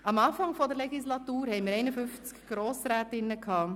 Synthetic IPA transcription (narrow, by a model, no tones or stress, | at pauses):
ɑmɑːfɑŋfɔdəɾlɛɡislɑtuːɾhɛɪmiɾɛɪnəfʏnft͡skɡ̥ɾoːsɾɛːtɪnːəkʰɑː